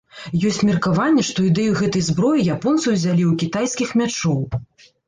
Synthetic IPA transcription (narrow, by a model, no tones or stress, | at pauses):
jɔsʲt͡sʲmʲirkavanʲːɛʂt̪ɔid̪ɛjuɣɛt̪ɐjzbɾɔjijapɔnt̪sɐwzʲalʲiwkʲit̪ajskʲixmʲat͡ʂɔw